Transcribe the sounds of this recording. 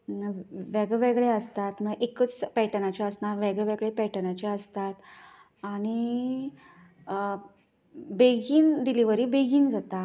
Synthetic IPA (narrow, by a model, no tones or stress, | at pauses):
ʋɛɡɭeʋeɡɭeəst̪at̪məʔekət͡spɛʈənat͡ɕjaəsnaɾʋɛɡɭeʋeɡɭepɛʈənat͡ɕaəst̪at̪ | aɽ̃i | beɡiːnɖiliʋəɾiːbeɡiːnd͡zat̪a